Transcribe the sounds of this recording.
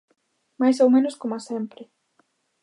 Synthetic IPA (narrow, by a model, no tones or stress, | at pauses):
majsowmẽnoskomoasempɾɪ